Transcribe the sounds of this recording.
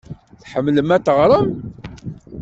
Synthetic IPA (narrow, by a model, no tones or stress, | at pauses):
θħəmːləmæt̪ːəʁɾˤəm